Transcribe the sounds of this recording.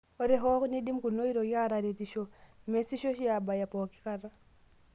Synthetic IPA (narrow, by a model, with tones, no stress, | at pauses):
o˦ɾe˦ɦo˦kni˦di˦m˦ku˨no˦i˦ɾo˨ja˦ɾa˨ɾe˨ti˨ʃo˨me˨si˦ʃo˦ʃi˦a˨ba˨ja˨po˨ki̥˦ka˦ɾa˦